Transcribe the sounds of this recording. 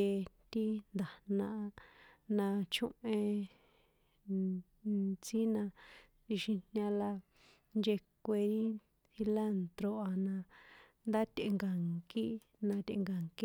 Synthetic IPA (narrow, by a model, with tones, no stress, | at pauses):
e˧t̪i˦nd̪a˨nã˧ʔa˧nã˧t͡ʃũ˦ʔẽ˧ | t͡si˦nã˧ | ti˧ʃĩ˧nɲã˧la˧ | nd͡ʒe˧kʷe˧ɾi˦ | θi˧la˦˨nt̪ɾo˧ʔa˧nã˧ | nd̪a˦t̪ʲe˧ŋɡa˨ŋki˦ | nã˧t̪ḛ˧ŋɡa˨ŋki˦